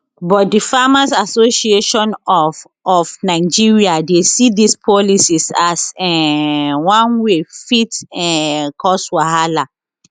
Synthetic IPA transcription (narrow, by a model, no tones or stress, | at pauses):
bɔt̚difamasasoʃieʃɔ̃nɔf | ɔfnaɪd͡ʒiɹiadesidispʰɔlisisasɛ | wãnwefitɛkʰɔswahala